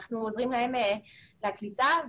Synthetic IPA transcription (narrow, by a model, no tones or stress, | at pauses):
χnuozʁimlae̞meleaklitav